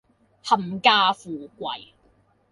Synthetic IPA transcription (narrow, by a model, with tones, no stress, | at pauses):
hɐ˨˩mkaː˧fuː˨˩kʷɐ̰˨j